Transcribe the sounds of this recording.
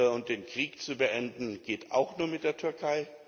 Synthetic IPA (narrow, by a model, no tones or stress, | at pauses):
əʊnt̚d̥eːnkʁ̥iːkt͡subəʔɛndn̩ɡ̥eːta̰ʊxnuːɐmɪt̚d̥eːɐtʰʏɐkʰaɪ